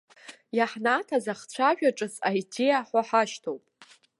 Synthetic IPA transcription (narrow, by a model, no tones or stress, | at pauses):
jaħnatʰazaχt͡ɕʷʰaʒᶣaʈ͡ʂʼɨsajdejaħʷaħaʃtʰowpʼ